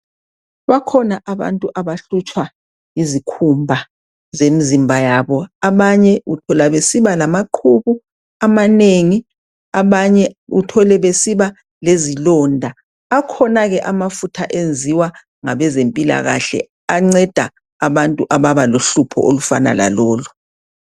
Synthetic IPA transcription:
βakʰɔnaʔaβa̰ntʼuʔaβaɬut͡ʃʼwa | izikʰumbʱa | zemizimbʱajaβɔaβaɲɛutʰɔlaβesiβalamaǃʰuβu | amaneŋi | aβaɲɛutʰɔlɛβesiβa | lezilɔndʱa | akʰɔnaɣɛʔamafutʰaʔend͡zʱiwa | ŋaβɛzempʼila̰ɣaɬɛ̰ | aŋ͡ǀɛd̥ʱa̰ | aβantʼuʔaβaβaloɬupʰɔ̰ʔolufa̰na̰la̰lɔːlu

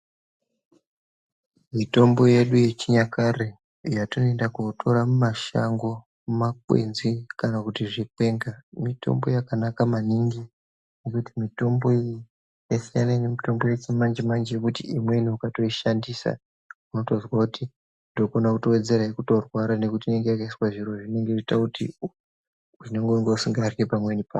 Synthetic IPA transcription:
mito̞mbo̞je̞ɗuje̞t͡ʃiɲakare | jatonoendakotʰo̞ɾamumaʃa̰ŋɡo̞ | mumakwḛnzikanakutiʐikwe̞ŋɡamito̞̰mbo̞jakanakamaniŋɡi | nekutimito̞mbo̞i | jesijanainemito̞mbo̞jet͡simand͡ʒemand͡ʒejekutiimwe̞niukato̞iʃandiːsa̰ | uno̞to̞zwakuti | ndokonakuto̞we̞d͡ze̞ɾaikuto̞rwaɾane̞kutiːne̞ŋɡe̞jakaiswaʐiro̞ʐine̞ŋɡeitakutḭ | uineŋɡeŋɡeusiŋɡarkepamwe̞nipaː

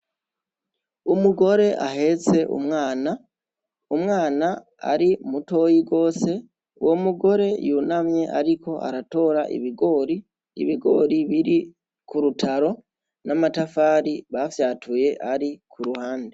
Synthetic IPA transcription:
umuɡo̞ɾe̞ʔaɦe̞t͡se̞ʔṵmŋaːna | umŋaːna | a̰ɾimuto̞jiɡo̞ːse̞ | wʔomuɡo̞ɾe̞junamɲe̞ʔa̰ɾiko̞ʔa̰ɾato̞ɾaʔḭβiɡo̞ːɾi | ḭβiɡo̞ɾiβiɾi | kuɾutʰaɾo̞ | namatafaːɾiβafjaːtʰuje̞ʔaɾikʰuɾuhaːnde

